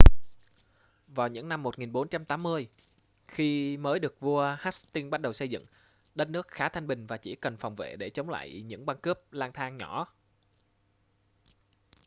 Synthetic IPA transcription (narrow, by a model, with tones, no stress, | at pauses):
vaː˨˩wɲɨ̰˧˥ŋna˧mːo˨˩t̚ŋi˨˩nɓo˨˦nt͡ɕa˧mt̪aː˨˦mːɨ˧əj | xi˧məː˨˦jɗɨ˨˩ək̚vu˧əhaː˦˥st̪i˧əŋɓa˦˥t̚ɗə˨˩wsə˧jzɨ̰˧˨ŋ | ɗə˨˦t̚nɨ˦˥ək̚xaː˨˦t̪ʰa˧jŋ̟ɓï˨˩ŋ̟vaː˨˩t͡ɕḭ˧˩kə˨˩nfɔ˨˩wŋ͡mvḛ˧˨ɗe˧˩t͡ɕə˨˦wŋ͡mla̰ː˧˨jɲɨ̰˧˥ŋɓa˧nkəː˦˥p̚laː˧ŋt̪ʰaː˧ŋɲɔ˧˩˨